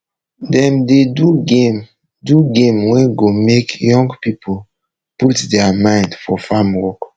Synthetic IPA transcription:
dɛ̃mdeduɡem | duɡẽmwɛ̃nɡomekjɔ̃ŋɡpipʰol | putdɛamãɪ̃ndfɔfamwɔk

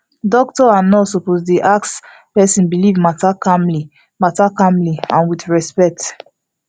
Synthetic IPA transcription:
dɔk̚tɔanɔsɔpozdiʔaks | pɛsĩnbilivmatakãmli | matakãmliãnwiθɹɛspɛk̚t

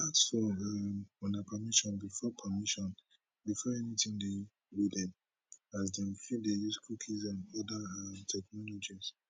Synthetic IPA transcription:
aksfɔamɔnapʰamiʃɔ̃nbifɔpʰamiʃɔ̃n | bifɔɛnitʰĩŋde | widɛ̃n | azdɛ̃mfĩdejuskʰukʰizãnɔdaamtʰɛknɔlɔd͡ʒiz

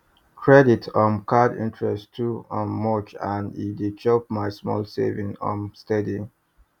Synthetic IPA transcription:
kʰɹɛditʰɔ̃mkʰadḭ̃ntʰɹɛstʰuɔ̃nːɔt͡ʃãnḭdit͡ʃʰɔp̚maɪsmɔ̰lsḛvĩŋɔ̰̃mstɛdi

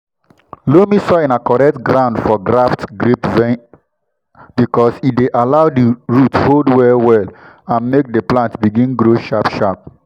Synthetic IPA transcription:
lomisɔĩnakɔɹɛk̚tɡɾãʊ̃ndfɔɡɹaftɡɹipvɛ̃ | b̥ikɔsideʔalaʊdiɹutholdwɛwɛl | ãnmek̚dəplãntbiɡĩnɡɾoʃapʃap̚

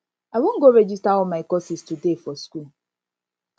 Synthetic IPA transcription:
awʷoŋ̩ɡoɾed͡ʒistaɔmaikɔsistudefɔsku

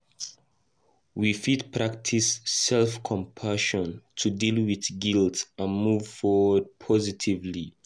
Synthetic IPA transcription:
wifitpʰɹak̚tʰisːɛlfkʰɔ̃mpʰaʃɔ̃ntʰudilwiðɡiltsãnmuvfɔwəd̚pʰɔzitʰivli

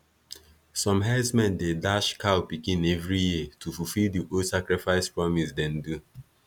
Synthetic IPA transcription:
sɔ̃mɦɛsmɛ̃ndedaʃkʰawpikĩnɛvɹijitʰufufildiʔosakɹifaɪspɹɔmisdɛ̃ndu

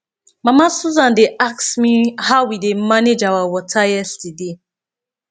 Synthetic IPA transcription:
mamasuzãndeaksmihaʊwidemaned͡ʒawawɔtʰajɛstide

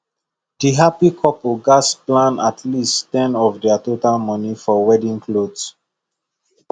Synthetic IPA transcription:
d̥iɦapikʰɔplɡasplãnatʰlisttɛ̃nɔfdɛatotalmɔnifɔwɛdĩŋkʰlods

